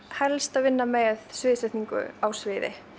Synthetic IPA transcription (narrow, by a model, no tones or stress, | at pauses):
hɛlst̪aðvɪnːamɛðsvɪːðsɛt̪niŋkʏ̰awsvɪːðɪ̰